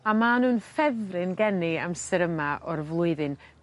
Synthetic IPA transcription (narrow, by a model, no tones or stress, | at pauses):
amanuːnfɛðrɪnɡɛniamsɛɾəmaʔɔrvlˠʊɨðɨn